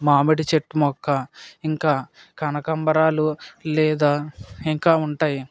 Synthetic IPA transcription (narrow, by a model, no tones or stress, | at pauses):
maːmeʈit͡ʃeʈːumɔkːɐiŋkaː | kɐnɐkɐmbɐɾaːlulɛːd̪aːiŋkaːuɳʈaːji